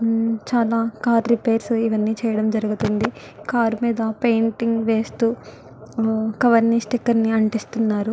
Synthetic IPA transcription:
t͡ʃaːlaːkaːɾɾipeːɾsiʋɐnːiːt͡ʃɛːjɐɽɐmd͡ʒɐɾuɡut̪und̪i | kaːɾmiːd̪ɐpejɳʈiŋɡʋe̞ːst̪uː | kɐʋɐɾnisʈikːɐɾniɐɳʈist̪unːaːɾu

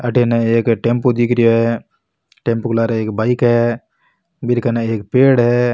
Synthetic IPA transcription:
əʈʰeneeːkʈẽmpod̪ikʰɾjoɦɛ | ʈẽmpklaːɾeeːkbaːikɦɛ | bɪɾkənaeːkpeːɽɦɛ

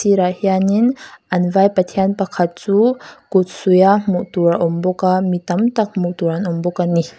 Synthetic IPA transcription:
siɾahianinʔanvajpat̪ʰianpakʰat̪̚t͡sukut̪̚sujamuʔt̪uɾaʔɔmbɔkamit̪amt̪ak̚muʔt̪uɾanɔmbɔkani

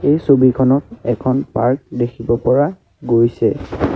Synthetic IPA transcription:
ejsobikʰɔnɔtɛkʰɔnpaɹk̚dekʰibɔpɔɹa | ɡojsɛ

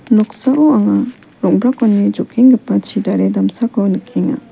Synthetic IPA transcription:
nɔksaʔɔaŋa | ɾɔŋ̚bɾakɔnːid͡ʒɔkʰiŋɡɛpat͡ʃidaɾedamsakɔnɯkʰiŋa̰

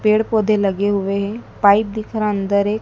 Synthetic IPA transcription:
peːɽpoːd̪ʱeləɡeɦʊʋeɦɛ̃paːip̚d̪ɪkʰɾaənd̪əɾeː

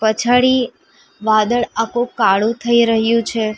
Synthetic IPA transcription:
pət͡ʃʰaɽi | ʋad̪əɭakũkaɭũt̪ʰəiɾəɦjũt͡ʃʰe

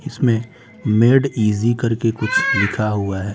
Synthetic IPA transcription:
ɪsmẽ | meːɖiːzikɐɾkekʊt͡ʃʰlɪkʰaɦuaɦɛː

